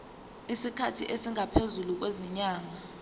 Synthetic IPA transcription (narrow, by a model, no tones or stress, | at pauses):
isikʰatʰiʔesiŋʱapʰezuluk̬weziɲaːŋa